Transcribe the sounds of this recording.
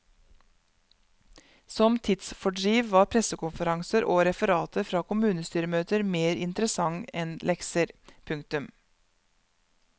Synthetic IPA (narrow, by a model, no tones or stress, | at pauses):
sɔmt̪ʰɪt̪sfɔɖɾiːʋʋɑːɾpʰɾɛsəkʊnfəɾɑŋsəɾʔoːɾɛfəɾɑːt̪ʰəfɾɑːkʊmʉːnəst̪yːɾəmøːt̪əɾmeːɾɪ̰nt̪ɾəsɑŋɛnlʔɛksəɾpʰʉŋk̚t̪ʉm